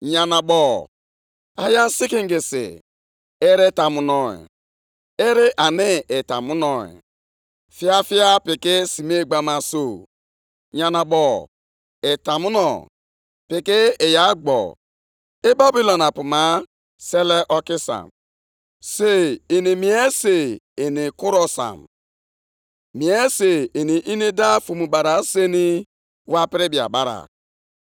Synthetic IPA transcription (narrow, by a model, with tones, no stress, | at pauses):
ɲa˨na˨bɔ˨ | a˦ja˦n˦si˦ki˦ŋ˦ɡi˨sɪ̰˨ | e˦ɾe˦ta˨mu˨nɔ˨ḛ˨ | e˦ɾɪ˦ʔa˨nɪ˦ɪ˨ta̰˨mu˦nɔ˨ḛ˨ | fi˦a˦fi˦a˦pi˨kɪ˦si˨me˦˨ɡ͡ba˦ma˨so˦˨ | ɲa˨na˨bɔ˨ | e˨ta˨mu˦nɔ˨ | pɪ˨kɪ˦e˨ja˨˦ɡ͡bɔ̰˨ | e˦ba˦bi˦lɔ˨na˨pu˨ma˨˦ | se˦le˦ʔɔ˦ki˦sa̰˨m | se˦i˨ni˨mi˨˦e˦se˨i˨ni˨ku˦ɾɔ˦sa̰˨m | mi˨e˦se˨i˨ni˨ʔi˦ni˦da˦fu˨mu˨ba˨ɾa˨˦se˦ni˦ | wa˦pɪ˦ɾi˦bi˨a̰˨ba˦ɾa̰˨